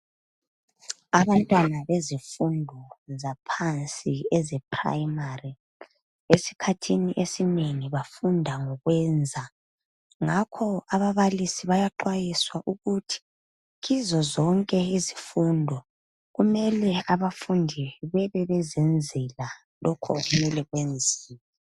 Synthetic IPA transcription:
aβantʼwanaβezifundʱɔzapʰant͡sʼiɛzɛpʰra̰jmari | esi̥kʰatʰiniʔesineŋiβafundʱaŋɔɣwɛnd͡zʱa | ŋakʰɔaβaβalisiβajaǃwajiswaʔuɣutʰi̥ | ɣizɔzɔŋkʼɛizifuːndʱɔ | ɣumɛlɛaβafundʱiβɛβɛβɛzɛnd͡zʱɛla | lɔkʰɔ̰ɣumɛlɛɣwend͡zʱiːlɛɛ

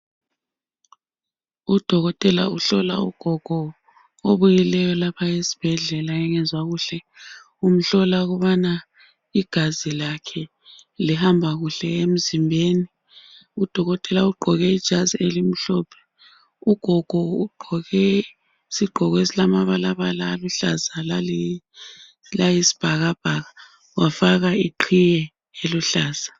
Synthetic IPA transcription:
ud̥ʱɔɣɔtʼɛla̰uɬɔla̰ṵɡ̥ʱɔɡ̥ʱɔ | oβujilɛjɔlapʰaesi̥b̥ʱɛɮɛlaɛŋɛnzwaɣuːɬɛ | um̩ɬɔlaɣuβana | iɡ̥ʱazilakʰɛ | lihambʱaɣuɬɛem̩zimbʱeːni | ud̥ʱɔɣɔtʼɛlauɡ͡ǃʱɔɣɛid̥ʒ̥ʱazielim̩ɬɔːpʰɛ̥ | uɡ̥ʱɔɡ̥ʱɔuɡ͡ǃʱɔɣɛ | siɡ͡ǃʱɔɣesilamaβalaβalaːluɬazalali | lajisi̥b̥ʱaɣab̥ʱaɣa | wafaɣaiǃʰijɛ | eluɬaːz̥a

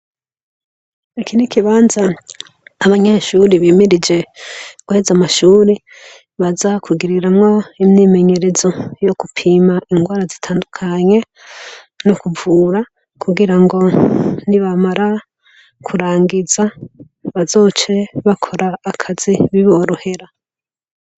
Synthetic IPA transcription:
ekinikiβaːnzaː | βaɲeʃuɾiβiːmiɾid͡ʒe̞ɡ̥uhezamaʃuːɾi | βazakʰuɡiɾiɾamŋo̞imɲiːme̞ɲe̞ɾe̞zo̞jokupʰiːmaʔiŋɡwaːɾazitʰaːndukʰaɲe̞ | nokuvuːɾa | kʰuɡiɾaŋɡo̞niβamaɾa | kʰuɾaːŋɡiza | βazo̞ːt͡ʃe̞βakʰo̞ɾaːkʰaz̥iβiβoɾuhe̞ɾa

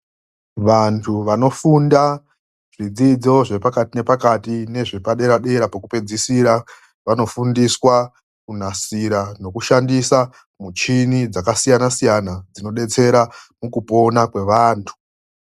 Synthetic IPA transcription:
ʋantʰuʋano̞funda | ʐ̥id͡zid͡zo̞ʐe̞pakatine̞pakatine̞ʐepaɗe̞ɾaɗe̞ɾapakupe̞d͡zisiɾa | ʋano̞fundiswa | kun̤asiɾano̞kuʃandisa | mut͡ʃinid͡zakasijanasijanad͡zino̞ɗe̞t͡se̞ɾamukupo̞nakwe̞ʋaːntʰu̥

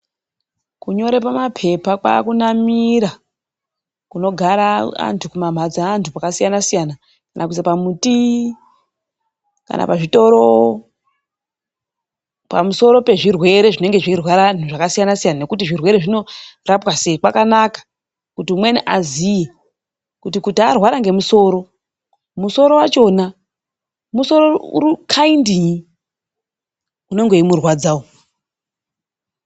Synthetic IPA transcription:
kuɲo̞ɾe̞pamapʰe̞pakwa̰ːkunamiɾa | kuno̞ɡʱaɾaa̰ntʰukumam̤ʱad͡zaːntʰupakasijanasijana | kanʔakuisapamuti | ka̰nʔa̰paʐito̞ɾo | pa̰muso̞ɾo̞pe̞ʐirwe̞ɾe̞ʐine̞ŋɡe̞ʐirwaɾan̤uʐakasijanasijanane̞kutiʐirwe̞ɾeʐino̞rapwase̞ikwakanakḁ | kutimweniʔazije | kutikutiarwaɾaŋɡe̞muso̞ɾo̞ | muso̞ɾo̞wat͡ʃo̞na | muso̞ɾorukʰaindiɲi | uno̞ŋɡe̞imurwad͡zao

